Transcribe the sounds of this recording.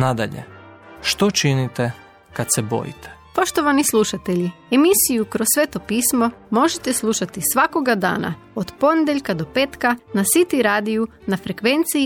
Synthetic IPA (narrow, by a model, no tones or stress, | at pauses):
nad̪a̰ʎḛ | ʃt̪o̞t͡ʃinit̪e | kat̪sebo̞̰jḭt̪ʰe̥po̞ʃt̪o̞ʋanislˠuʃat̪e̞ʎiemisijukɾosːʋeːt̪o̞piːsmo̞mo̞ʒet̪eslˠuʃat̪isʋako̞ɡad̪a̰ːna̰ | od̪po̞ned̪eʎʲkad̪o̞peːt̪kanasit̪iɾaːd̪iju | nafɾekʋe̞nt̪si